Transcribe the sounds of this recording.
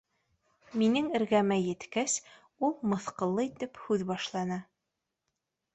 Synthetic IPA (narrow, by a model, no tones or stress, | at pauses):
minɘŋɘ̆ɾɣæmæjɘ̆t̪kæs | ulˠmɤ̆θqɤ̆lˠːɤit̪ɘphʉðbɑʃlˠɑnɑ